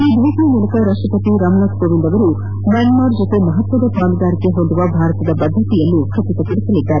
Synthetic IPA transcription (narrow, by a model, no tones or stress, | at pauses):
iːd̪ʱeːʃɐjɐmuɭɐkɐɾaːʂʈrɐpɐt̪iɾaːmnaːt̪koːʋind̪ɐʋɐɾu | mɐnmaːɾd͡ʒot̪e̞mɐɦɐt̪ʋɐd̪ɐpaːluɡ̪aːɾike̞ɦo̞nd̪uʋɐbʱaːɾɐt̪ɐd̪ɐbɐd̪ʱːɐt̪ijɐlːukʰɐpit̪ɐpiɽisɐlid̪ːaːɾe